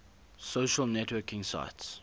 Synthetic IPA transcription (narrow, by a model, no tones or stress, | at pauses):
soʃəlˠnɛtʰwɜkɪ̃ŋsa̰ɪts